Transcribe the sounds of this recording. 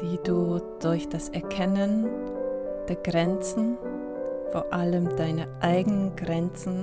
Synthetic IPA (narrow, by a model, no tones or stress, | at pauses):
d̥iːduːd̥ʊɐçd̥asʔɛɐkʰɛnən | d̥eːɐɡʁɛnt͡sn̩ | foːɐʔaləmd̥aɪnəʔaɪɡənənɡʁɛnt͡sn̩